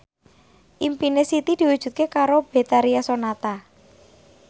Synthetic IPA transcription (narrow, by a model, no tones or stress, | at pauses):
ʔimpinesit̪id̪̥i̤wud̥ʒ̥ṳt̪̚kekaɾob̥e̤t̪aɾiasonat̪a